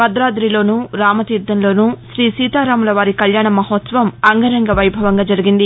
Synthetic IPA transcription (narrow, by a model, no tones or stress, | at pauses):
bɐd̪ɾaːd̪ɾilo̞ːnuːɾaːmɐt̪iːɾd̪ːɐnlo̞ːnuːʃɾiːsiːt̪aːɾaːmulɐʋaːɾikɐljaːɳɐmɐɦot̪sɐʋɐmɐŋɡɐɾɐŋɡɐʋɐjbʱɐʋɐŋɡaːd͡ʒɐɾiɡind̪i